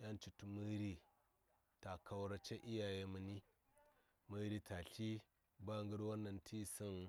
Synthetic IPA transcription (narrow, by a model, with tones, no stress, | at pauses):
ja˦nt͡ʃi˨tu˨mɨ˦ɾi˦ | ta˨ka˨wɾa˦t͡ʃe˦ʔi˦ja˨je˦mɨ˨ni˦ | mɨ˦ɾi˦tʰa˨ɬi˦ | ba˦˨ŋɡu˦ɾwa˦nːa˨ntʰi˦˨si˦n